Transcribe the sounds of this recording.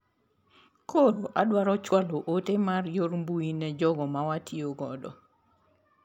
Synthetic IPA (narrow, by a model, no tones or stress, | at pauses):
kʰoɾoʔadwaɾɔt͡ʃwaloʔotemarjoɾmbuinɛd͡ʒɔɡɔmawatʰioɡɔ̰dɔ̰